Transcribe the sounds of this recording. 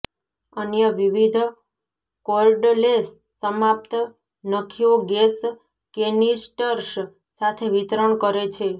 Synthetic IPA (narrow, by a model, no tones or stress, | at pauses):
ənjəʋiʋid̪ʱ | kolɖlesː | əmap̚t̪ | nəkʰioɡes | kenisʈəɾs | sat̪ʰeʋit̪ɾəɳkəɾet͡ʃʰe